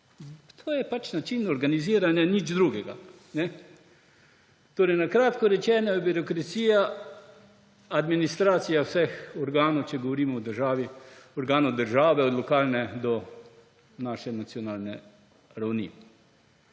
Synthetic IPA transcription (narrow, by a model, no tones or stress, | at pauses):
t̪ʰoːjɛpat͡ʃnat͡ʃiːnɔɾɡaniziːɾanjanid͡ʒd̪ɾuːɡɛɡa̰ | nɛ | t̪oːɾɛjnakɾaːt̪kɔɾɛt͡ʃɛːnajɛbiɾokɾat̪siːja | ad̪minist̪ɾaːt̪sijawsɛxɔɾɡaːnɔwt͡ʃɛɡɔʋɔɾiːmɔwd̪əɾʒaːʋiɔɾɡaːnod̪əɾʒaːʋɛɔd̪lɔkaːlnɛd̪ɔ | naːʃɛnat̪sjɔnaːlnɛ̰ | ɾawnḭ